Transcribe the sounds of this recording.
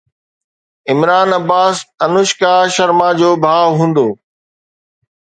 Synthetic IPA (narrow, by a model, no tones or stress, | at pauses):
ɪmɾaːnɐbaːsɐnʊʃkaːʃɐɾmad͡ʑoːbʱaːwɦũːn̆d̪oː